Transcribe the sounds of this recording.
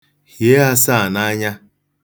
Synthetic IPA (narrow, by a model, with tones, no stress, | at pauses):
hi˨e˦a˦sa˦˨na˦ɲa˦